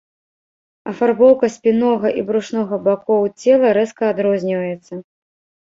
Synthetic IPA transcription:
ɐfarbɔwkɐsʲpʲinɔɣɐʔibɾuʂnɔɣɐbakɔwt͡sʲɛlˠɐɾɛskɐad̪ɾɔzʲnʲivɐjɛt̪sːɐ

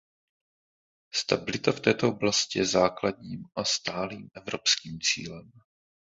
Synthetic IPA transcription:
st̪abɪlɪt̪aft̪ɛːt̪o̞ʔoblascɪjɛzaːklad̪ɲiːmʔast̪aːliːmʔɛvɾopskiːmt͡sḭːlɛm

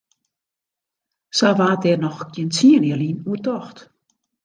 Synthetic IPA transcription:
saʋaːdɛːrnɔxɡ̥iənt͡siənjəlinuətɔxt

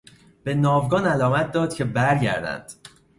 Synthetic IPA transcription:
b̥e̞nɒːvɡɒːnælɒːmæt̪̚ʰd̪ɒːd̪̥cʰe̞bæɾɟæ̰ɾd̪æ̰nd̪̥

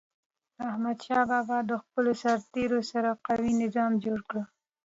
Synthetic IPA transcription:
ahmad̪ʃɑbɑbɑd̪əxpəlosaɾt̪eɾosaɾaqawinɪzɑmd͡ʒoɽkɽə

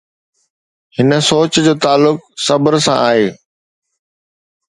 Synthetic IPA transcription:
hɪnə̆soːt͡ɕd͡ʑoːt̪aːlːʊk̚sɐbəɾsã̰ʔaːɦeː

